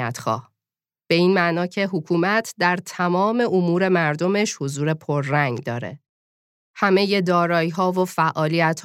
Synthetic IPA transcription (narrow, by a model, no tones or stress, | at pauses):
æt̪ʰxɒ̰ːh | b̥e̞iːnmæʔnɒːcʰe̞ɦokʰuːmæt̪ʰd̪æɾt̪ʰæmɒːme̞ʔomuːɾe̞mæɾd̪o̞me̞ʃhozuːɾe̞pʰoɾːæŋɡd̪ɒːɾe̞̰ | hæme̞je̞d̪ɒːɾɒːiɦɒːvofæʔɒːlijæt̪h